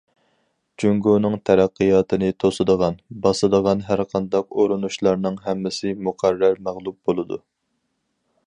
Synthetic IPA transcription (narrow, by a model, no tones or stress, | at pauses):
d͡ʒyŋɡunɨŋt̪ʰɛɾæqːɨjɑːt̪ɨnɪt̪ʰosɨd̪əʁɑnbɑsɨd̪əʁɑnɦæɾqʰɑnd̪ɑqoɾunuʃlˠɑɾnɨŋɦɛmːɪsɪmuqʰæɾːæɾmæʁlˠup̚bolˠɨd̪ṵ